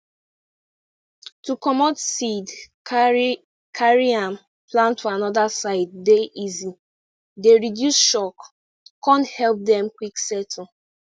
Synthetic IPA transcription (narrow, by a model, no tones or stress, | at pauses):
tukɔmɔdsid | kʰaɹiãm | plãntʰuanɔdasaɪd̚ːeʔizi | deɹidjusʃɔkː | ɔ̃nthɛlp̚dɛ̃mkwiksɛtʰɔ